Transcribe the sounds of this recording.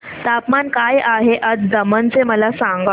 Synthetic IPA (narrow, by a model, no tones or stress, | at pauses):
t̪apmankajaɦeʔəd͡zd̪əmənt͡seməlasãŋɡa